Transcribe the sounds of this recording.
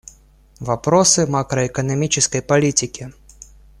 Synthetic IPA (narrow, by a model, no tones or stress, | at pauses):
vɐpɾosɨmakɾəɛkənɐmʲit͡ɕɪskəjpɐlʲitʲɪkʲɪ